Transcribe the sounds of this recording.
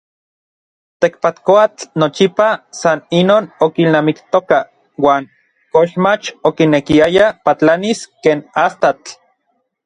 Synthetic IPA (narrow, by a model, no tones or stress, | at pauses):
t̪ekpat̪koat͡ɬnot͡ʃipasaninoːnokilnaːmikt̪oka | waːŋ | koʃmat͡ʃokinekiajapat͡ɬaniskeːnast̪at͡ɬ